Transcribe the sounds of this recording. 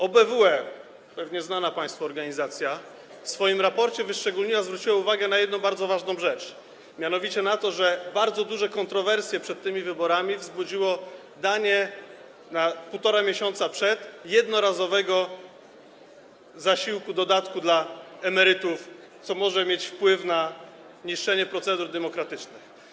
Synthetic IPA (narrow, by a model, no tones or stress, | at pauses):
ɔbɛvuɛ | pɛvɲɛznanapãj̃st̪fɔːɾɡaɲizat̪sʲja | fsfɔjimɾapɔɾt͡ɕɛvɘʂt͡ʂɛɡulɲiwazvɾut͡ɕiwauvaɡɛnajɛd̪nɔ̃w̃baɾd̪zɔvaʐnɔ̃w̃ʐɛt͡ʂ | mʲjanɔvʲit͡ɕɛnat̪ɔʐɛbaɾd̪zɔd̪uʐɛkɔnt̪ɾɔvɛɾsʲjɛpʂɛt̪̚ːɘmʲivɘbɔɾamʲivzbud͡ʑiwɔ | d̪aɲɛ | napuwt̪ɔɾamʲjeɕɔnt̪sapʂɛt̪jɛd̪nɔɾazɔvɛɡɔ | zaɕiwkud̪ɔd̪at̪kud̪laɛmɛɾɘt̪uf | t̪sɔmɔʐɛmʲjet͡ɕfpwɘfna | ɲiʂɛɲɛpɾɔt̪sɛd̪uɾd̪ɛmɔkɾat̪ɘt͡ʂnɘx